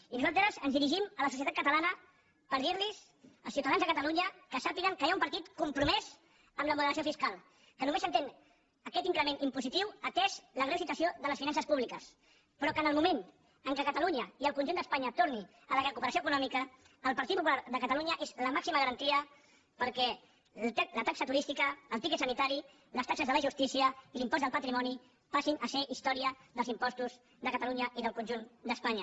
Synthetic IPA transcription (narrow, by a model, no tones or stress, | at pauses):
inuzalˠt̪ɾəzənzðiɾiʒimələsus̬iət̪at̪kət̪əlanə | pəɾðiɾliz | əlˠsiuwt̪aðanzðəkət̪əluɲəkəsapiɣəŋkəjaumpəɾt̪it̪kumpɾumɛz | əmləmuðəɾəsiofiskalˠ | kənumeszənt̪eŋ | əkɛt̪iŋkɾəmenʔimpuzit̪iwət̪ɛʃləɣɾewsit̪wəsioðələsfinansəspuβlikəs | pɾɔkənəlˠmumen | əŋkəkət̪əluɲəiəlˠkunʲʒund̪əspaɲət̪oɾni | ələrəkupəɾəsjoəkunɔmikəː | lˠpəɾt̪it̪pupulaɾðəkət̪əluɲəʔezləmaksiməɣəɾənt̪iə | pəɾkɛ | ɛlət̪aksət̪uɾist̪ikəːlˠt̪ikɛt̪sənit̪aɾi | ləst̪aksəzðələʒust̪isiəilimpɔzðəlˠpət̪ɾimɔni | pasinʔəseʔist̪ɔɾiəðəlzimpɔst̪uz | ðəkət̪əluɲəʔiðəlˠkunʲʒund̪əspaɲə